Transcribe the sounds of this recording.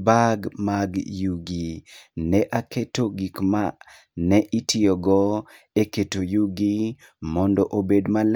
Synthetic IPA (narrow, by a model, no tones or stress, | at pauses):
baɡmaɡjuɡinɛʔaketoɡikma | nɛʔitʰɪoɡɔ | eketojuɡi | mɔndɔʔobedmal